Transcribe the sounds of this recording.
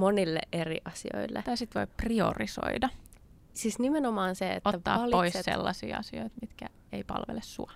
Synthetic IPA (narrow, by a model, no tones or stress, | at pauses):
monilːḛʔʔerḭʔɑsḭo̰ilːḛt̪ɑisit̪ʋoiprio̰riso̰idɑ | sisnimenomɑːnseḛt̪oːɑ̰ːlpoissḛlːɑsḭːɑ̰sioit̪mit̪kæ | eipɑ̰lʋelessuɑ